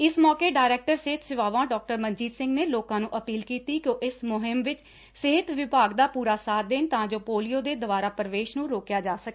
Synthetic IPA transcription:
ɪsmɔːkeːɖaːɪɾɛːk̚ʈəɾsɪːɪt̪sɪʋaːʋãːɖɔːk̚ʈəɾmənd͡ʒiːd̪sɪ̃ŋɡneːloːkãːnũːʔəpiːlkiːt̪iːkjõːʔɪsmʊɦɪmʋɪt͡ʃ | sɪɦɪt̪ʋɪbʱaːɡd̪aːpuːɾaːsaːt̪̚d̪eːnt̪ãːd͡ʒoːpoːlijoːd̪eːd̪əʋaːɾaːpəɾəʋeːʃnũːɾoːkjaːd͡ʒaːsəkː

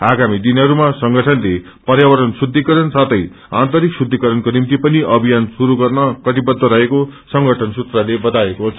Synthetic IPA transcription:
aɡamid̪inʌɾumasʌŋɡʱʌʈʰʌnle | pʌrjawʌɾʌnsud̪ʱːikʌɾʌnsat̪ʰʌj | ant̪ʌɾiksud̪ʱːikʌɾʌnkonimt̪ipʌniʔʌbʱijansuɾuɡʌrnʌkʌʈ̪ibʌd̪ʱːʌɾʌɦekosʌŋɡʱʌʈʰʌnsut̪ralebʌt̪aekot͡sʰ

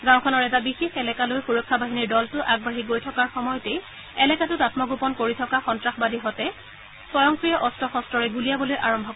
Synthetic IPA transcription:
ɡãw̃kʰɔnɔɹɛtabixexɛlɛkalojxuɹɔkʰːabaɦiniɹdɔltʊʔaɡ̚baɦiɡojtʰɔkaɹxɔmɔjɔtɛj | ɛlɛkatʊtatmɔɡupɔnkoɹitʰɔkaxɔntɹaxbadiɦɔtɛ | sɔjɔŋkɹijɔʔɔstʰɔxɔstɹɔɹɛɡulijabɔlojʔaɹɔmbʱɔk

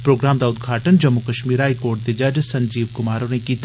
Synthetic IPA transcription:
pɾoːɡɾaːmd̪aːʊd̪ɡʱaːʈənd͡ʒɐmːukəʃmiːɾɦaːikoːɾʈ̚d̪ed͡ʒɐd͡ʒsɐ̃ɲd͡ʒiːʋkʊmaːɾõnekiːt̪

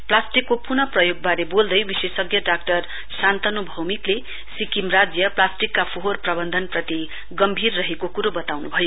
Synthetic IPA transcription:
plasʈikːopurnʌprʌjoɡ̚baɾebold̪ʌjbisesʌɡjʌɖak̚ʈʌr | sant̪ʌnubʱʌwmikle | sikimrad͡zjʌplasʈikːapʰoɦorprʌbʌnd̪ʱʌnprʌt̪i | ɡʌmbʱirːʌɦekokuɾobʌt̪awnubʱʌjo

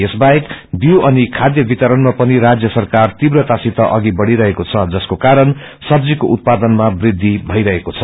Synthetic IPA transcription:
esbaekbjiwʌnikʰad̪jʌbit̪ʌɾʌnmapʌniɾad͡zjʌsʌrkart̪ibrʌt̪asit̪ʌʔʌɡibʌɽiɾʌɦekot͡sʰʌd͡zʌskokaɾʌn | sʌbd͡zikoʔut̪̚pad̪ʌnmabrid̪ʱːibʱʌjɾʌɦekot͡sʰʌ

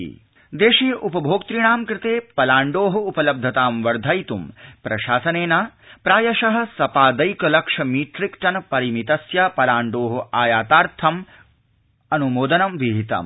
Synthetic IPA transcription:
d̪eːʃiːʔupɐbʱoːkt̪ɾiɳ̃aːmkɾɪt̪eːpɐlaːɳɖoːɦɐupɐlɐb̚d̪ʱɐt̪aːmʋɐɾd̪ʱɐjt̪umpɾɐʃaːsɐneːnaːpɾaːjɐʃɐɦɐ̆sɐpaːd̪ɐjkɐlɐkʂɐmiːʈɾikʈɐnɐpɐɾimit̪ɐsjapɐlaːɳɖoːɦɐʔaːjaːt̪aːɾt̪ʰɐm | ɐnumoːd̪ɐnɐmʋiɦit̪ɐ̰m

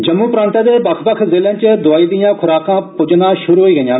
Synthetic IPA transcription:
d͡ʒəmːũːpɾãːnt̪ãːd̪eːbəkʰbəkʰzɪːlẽːt͡ʃd̪ʊaːiːd̪ɪjãːkʰʊɾaːkãːpʊd͡ʒnaːʃʊɾuːɦoiːɡəjãː

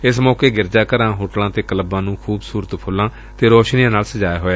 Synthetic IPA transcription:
ɪsmɔːkeːɡɪɾd͡ʒaːkəɾãːɦoːʈlãːt̪eːkələbãːnũːkʰuːbsuːɾət̪pʰʊlːãː | t̪eːɾoːʃnijãːnaːlsəd͡ʒaːjaːɦoːeː

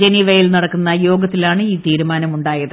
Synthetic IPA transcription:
d͡ʑeniʋɐjilnɐɽɐkːunːɐjo̞ːɡɐt̪ːilaːɳɨiːt̪iːɾumaːnɐmuɳɖaːjɐðɨ

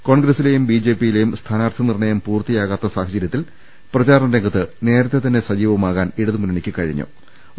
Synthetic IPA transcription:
ko̞ːɳɡɾɐsːile̞jumbiːd͡ʑe̞ːpːijile̞jumst̪ʰaːnaːrt̪ʰɐnirɳɐjɐmpuːrt̪ijaːɣaːt̪ːɐsaːhɐd͡ʑɐɾjɐt̪ːil | prɐt͡ɕaːɾɐmɾeŋɡɐt̪ːɨne̞ːɾɐt̪ːe̞t̪ɐnːe̞sɐd͡ʑiːʋɐmaːɣaːniɽɐðumunenikʲːɨkɐɻḭɲːṵ

